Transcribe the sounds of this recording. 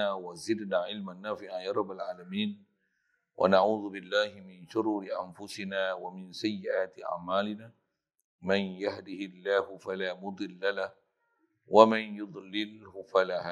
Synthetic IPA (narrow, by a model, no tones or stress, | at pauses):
aːwazɪd̪naːʕɪlmanːaːfɪʕajɑɾˤɑbːalʕaːlamiːn | wʔa̰naʕuːðʊbɪlːaːhɪmɪnʃʊɾuːɾɪʔanfʊsɪnaːwamɪnsajːɪʔaːt̪ɪʔa̰ʕmaːlɪnaː | manjahd̪ɪhɪlːaːhʊfalaːmʊd̪ˤɨlːalah | wamanjʊd̪ˤlɪlhʊfalaːhaː